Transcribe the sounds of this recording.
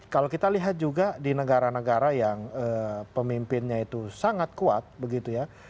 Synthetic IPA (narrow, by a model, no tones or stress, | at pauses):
kalokit̪aliɦat̪̚d͡ʒuɡadinəɡaɾanəɡaɾajaŋəːpəmimpɪnɲait̪usaŋat̪̚kua̰t̪̚bəɡit̪uja